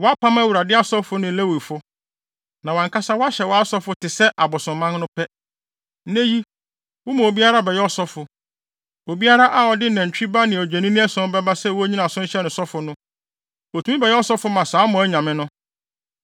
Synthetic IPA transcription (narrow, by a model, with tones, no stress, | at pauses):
wɔ˨˦a˦pʰã˦mæ˦wu˨ɾa˨dɪ˦a˦sɔ˦fʊ˦nɪ̃˨le˦wi˨fʊ˦ | nã˨wã˨ŋkʰa˦sa˦wɔ˦a˦ɕɛ˨wɔ˨˦a˦sɔ˦fʊ˦tɪ˨sɛ˦ʔa˨bʊ˨sʊ̃˨mã˦ŋ˦nʊ̃˦pʰɛ˦ | nẽ˦ji˦ | wʊ˦mã˨o˨bi˦a˦ɾa˦bɛ˨jɛ˦ɔ˦sɔ˦fʊ˨ | o˨bi˦a˦ɾa˦ʔa˦ɔ˨dɪ˦nɛ̃˨ɲ̩˨t͡ɕᶣi˦ba˦nɪ̃˨o˨d͡ʑᶣɛ˨nĩ˦nɪ̃˦ɛ˦sɔ̃˦bɛ˦ba˦sɛ˦wɔ˦æ˦ɲĩ˦nã˨sʊ̃˦n˦ɕɛ˦nʊ̃˨sɔ˦fʊ˨nʊ̃˦ | o˨tʰu˨˦ĩ˦bɛ˨jɛ˦ɔ˦sɔ˦fʊ˦mã˨saː˨˦mʊ̃˨æ˦ɲã˨mɪ̃˦nʊ̃˦